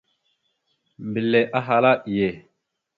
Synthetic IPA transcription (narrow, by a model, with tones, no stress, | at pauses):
mbi˨lːe˨ʔa˦ɦa˨la˦i˨je˨